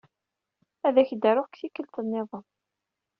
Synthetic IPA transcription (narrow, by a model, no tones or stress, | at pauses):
æðæçd̪æɾʊħkθikːəlt̪ənːɪðˤə